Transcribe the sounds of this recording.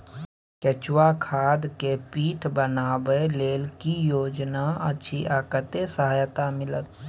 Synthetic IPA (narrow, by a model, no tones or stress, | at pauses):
kɛt͡ʃwakʰaːd̪kepiːʈʰbənaːbeleːlkijoːd͡ʒnaətːʃʰiʔaːkət̪esəɦaːjt̪amɪlət̪